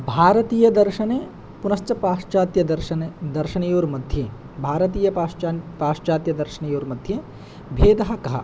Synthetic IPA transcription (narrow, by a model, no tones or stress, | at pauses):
bʱaːɾɐt̪iːjɐd̪ɐɾʃɐneː | punɐst͡ʃɐpaːʃt͡ʃaːt̪jɐd̪ɐɾʃɐned̪ɐɾʃɐnɐjoːɾmɐd̪ʱjeː | bʱaːɾɐt̪̬iːjɐpapaːʂt͡ʃaːt̪jɐd̪ɐɾʃɐnɐjoːɾmɐd̪ʱjeː | bʱeːd̪ɐɦɐkɐɦɐ̰